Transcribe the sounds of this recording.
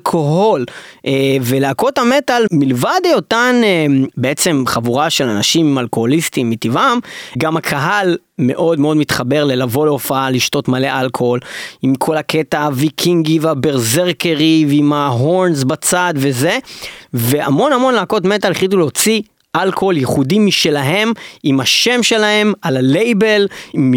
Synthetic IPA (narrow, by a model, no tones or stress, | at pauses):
lkʰo̞ɦolʔeveleako̞thame̞t̪almilvad̪ejot̪anebeet͡se̞mχavuʁaʃe̞lanaʃimimalko̞ho̞list̪imːit̪ivamɡamakʰaɦal | me̞̰ʔo̞d̪meo̞d̪mit̪χabe̞ʁlelavo̞leofaaliʃto̞tmale̞ʔalkʰoolimkʰo̞lake̞taavikʰiŋɡiveabeʁzeʁkeʁivimaɦo̞ɾnzbat͡sad̪veze̞ve̞a̰mo̞namo̞nlako̞tmet̪aleχlit̪̬uleot͡si | ʔalkooljeχudimiʃe̞laɦe̞mimaʃe̞mʃe̞lahe̞malale̞jbe̞lm